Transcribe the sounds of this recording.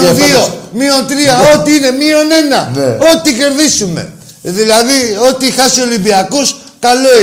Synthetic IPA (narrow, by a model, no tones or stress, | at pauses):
oðiomio̞nt̪ɾiɐo̞t̪iine̞mio̞ne̞nɐno̞t̪ice̞ɾðisume̞̰ | ðilɐðio̞t̪ixɐsio̞limbiɐkus | kɐlo̞